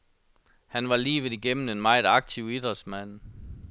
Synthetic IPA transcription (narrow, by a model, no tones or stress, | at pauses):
hænʋɑ̈liːʋðˠiɡ̥em̰m̩n̩e̝nmɑ̈ɪðˠɑ̈ɡ̥̚t͡sʰiʊ̰id̥ʁɐsmæn̰